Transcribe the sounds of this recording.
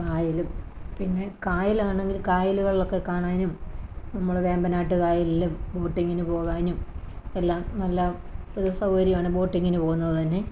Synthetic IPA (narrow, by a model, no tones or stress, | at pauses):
kaːjilum | pinːe̞kaːjilaːɳe̞ŋɡilkaːjiluɣɐɭilo̞kːe̞kːaːɳaːjinumnɐmːɐɭʋe̞ːmbɐnaːjiʈːɨkaːjililːumbo̞ːʈːiŋːinupo̞ːɣaːjnumelːaːmnɐlːɐ | oɾusɐwhɐɾjɐmaːɳɨbo̞ːʈːiŋːinɨpo̞ːɣunːɐɭːɐt̪ɐnːe̞